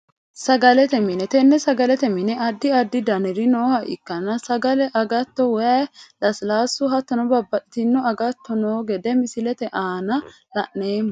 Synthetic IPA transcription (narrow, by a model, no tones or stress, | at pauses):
sɐɡɐlɛt̪ɛmɪnɛt̪ɛnːɛsɐɡɐlɛt̪ɛmɪnɛʔɐd̪ːɪɐd̪ːɪd̪ɐnɪɾɪnoːhɐʔɪ̰kːɐnːɐsɐɡɐlɛʔɐɡɐt̪ːɔwɛɐlɐslaːsːʊɦɐt̪ːɐnɔbɐbːɐᶑt̪ɪnːɔɐɡɐt̪ːɔnoːɡɛd̪ɛmɪsɪlɛt̪ɛʔaːnɐ | lɐ̰ʔneːmː